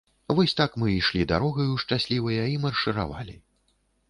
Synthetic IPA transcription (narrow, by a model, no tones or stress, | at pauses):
vɔsʲt̪akmɨiʂlʲid̪a̰ɾɔɣɐjuʂt͡ʂasʲlʲivɐjɐimɐrʂɨɾa̰va̰lʲḭ